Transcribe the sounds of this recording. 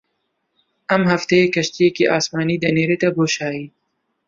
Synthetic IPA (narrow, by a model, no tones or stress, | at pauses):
ɐmɦɐft̪ɐjekɐʃt̪ijekiʔɑːsmɑːnid̪ɐneɾet̪ɐboːʃɑːji